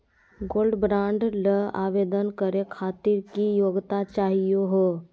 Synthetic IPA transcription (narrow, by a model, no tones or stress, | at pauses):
ɡoːlɖbɾãːɳɖləa̰ːʋeːd̪ənkəɾekʰaːt̪ɪɾkijoːɡt̪at͡ʃaːɦijoɦoː